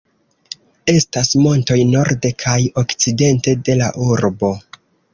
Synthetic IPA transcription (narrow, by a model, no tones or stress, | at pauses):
e̞stasmo̞nto̞jno̞ɾde̞kʰajo̞kt͡side̞nte̞de̞laʔuɾbo̞